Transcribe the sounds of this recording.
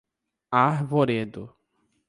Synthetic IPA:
aɾvoɾed̪ʊ

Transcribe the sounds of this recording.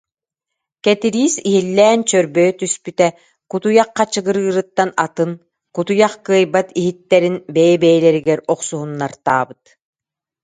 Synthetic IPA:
kɛt̪iɾiːsiɦilːɛːnt͡ɕœɾbœjt̪yspyt̪ɛ | kut̪ujaqːat͡ɕɯɡɯɾɯːɾɯt̪ːanat̪ɯn | kut̪ujaχkɯɐjbat̪iɦit̪ːɛɾinbɛjɛbɛjlɛɾiɡɛɾɔqsuɦunːaɾt̪a̰ːbɯt̪

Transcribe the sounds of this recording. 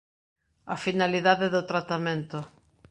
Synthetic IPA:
afinaliðaðeðot̪ɾat̪amẽnt̪ʊ

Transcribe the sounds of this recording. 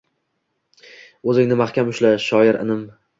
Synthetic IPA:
ɵzɪŋnɪmaχkʲamʊʃlaʃɒjɪɾɪ̰nɪm

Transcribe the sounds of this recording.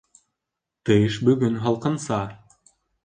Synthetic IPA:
t̪ɯjʃbɵ̆ɡɵnɦɑlˠqɤ̆nsɑːɾ

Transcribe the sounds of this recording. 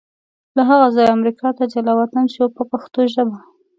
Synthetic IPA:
laɦaɣazɑjamɾikʰɑt̪ad͡ʒalawat̪anʃopəpaxt̪oʒəba

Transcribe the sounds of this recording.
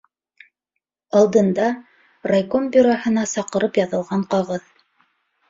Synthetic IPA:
ɑlˠd̪ɤ̆nd̪ɑ | rajkombʲyɾohɤ̆nɑsɑqɤ̆ɾɤpjɑðɤ̆lˠʁɑɴqɑʁɤð

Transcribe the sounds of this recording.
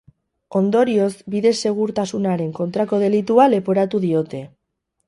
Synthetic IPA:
o̞nd̪o̞ɾio̞zbiðe̞se̞ɣ̞uɾt̪asunaɾe̞ŋko̞nt̪ɾako̞ðe̞lit̪uale̞po̞ɾat̪uðio̞t̪e̞

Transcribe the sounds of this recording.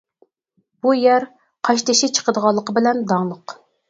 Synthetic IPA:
b̥ujæɾ | qʰɑʃt̪ɪʃɪt͡ʃʰə̥qəd̪əʁɑlˠːəqəbɪlɛnd̪ɑŋlˠəq

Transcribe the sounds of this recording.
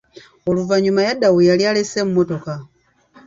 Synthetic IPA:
o̞luvaɲumajadawejalialesemumoto̞ka

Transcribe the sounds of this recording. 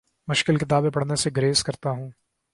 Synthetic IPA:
mʊʃkɪlkɪt̪aːbẽpɐɽneseɡɾeːskɐɾt̪aɦũː

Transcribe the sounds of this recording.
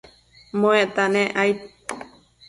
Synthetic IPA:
mõet̪anẽʔajt̪̚

